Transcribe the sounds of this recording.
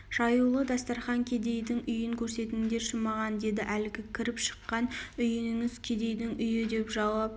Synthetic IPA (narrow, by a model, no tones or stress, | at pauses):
ʒ̥ɑjulˠəd̪ɑst̪ɑɾχɑŋkʲʰe̞d̪e̞jd̪ɪŋʏjɪŋkʲʰɵɾse̞t̪ɪɪd̪e̞ʃəmɑʁɑnd̪e̞d̪ɪʔælɪɡʲɪkʲʰɪɾɪpʃə̥qːɑnʏjɪnɪŋɪzkʲʰe̞d̪e̞jd̪ɪŋʔʏjɪd̪e̞pʒɑwɑp